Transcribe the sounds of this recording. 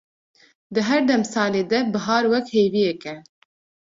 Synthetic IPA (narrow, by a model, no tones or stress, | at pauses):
d̪ɨɦɛɾd̪ɛmsɑːleːd̪ɛbɨɦɑːɾwɛkheːvijɛkɛ